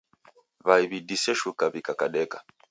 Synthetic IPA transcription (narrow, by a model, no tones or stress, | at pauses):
βaiβidisɛʃukaβikakaɗɛka